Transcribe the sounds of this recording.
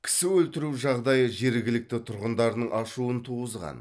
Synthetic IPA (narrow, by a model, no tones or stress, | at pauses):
kʲʰɪ̥sɪwɵlt̪ɪɾuwʒɑʁd̪ɑjəʒe̞ɾɡʲɪlɪk̚t̪ɪt̪ʰʊɾʁənd̪ɑɾənəɴʔɑʃuənt̪ʰuʁəzʁɑ̰n